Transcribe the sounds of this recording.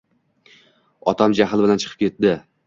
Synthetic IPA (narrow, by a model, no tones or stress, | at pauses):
ɒt̪ʰamd͡ʒaɦɪlˠbɪlant͡ʃʰɨ̥qʰɨ̥p̚kʲe̞t̪̚d̪ɪ